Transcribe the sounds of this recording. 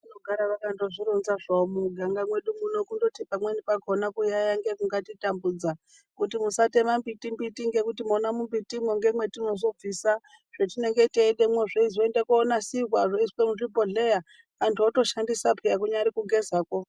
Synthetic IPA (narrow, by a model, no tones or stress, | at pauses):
inoɡʱaɾaʋakando̞ʐiɾunzaʐamuɡʱaŋɡamwe̞ɗumuno̞kundo̞tipamwenipakonakujajaŋɡe̞kuŋɡatitambud͡za | kutimusate̞mambitimbitiŋɡe̞kutimonamumbitimweŋɡe̞mwe̞tino̞zo̞b͡visa | ʐ̥etine̞ŋɡe̞teːɗemweʐeizoendekoːnasiɦwaʐoiswemuʐipo̞ɮe̞jaː | ntʰuoto̞ʃandisapʰijakuɲaɾikuɡe̞zaːko̞